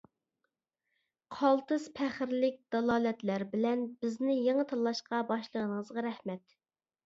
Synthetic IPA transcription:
qʰɑlˠt̪ɨzpʰæχɪɾlɪk̚ʲd̪̥ɑlˠɑːlɛt̪læɾbɪlɛnbɪznɪjeŋət̪ʰɑlˠːɑʃqɑbɑʃlˠəʁənəŋəzʁɑɾɛhmɛt̪

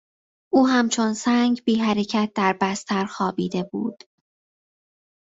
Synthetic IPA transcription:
ʔuːɦæmt͡ʃʰo̞nsæːŋɟbiːɦæɾecʰæt̪̚ʰd̪æɾbæst̪ʰæɾxɒːbiːd̪e̞bṵːd̪̥

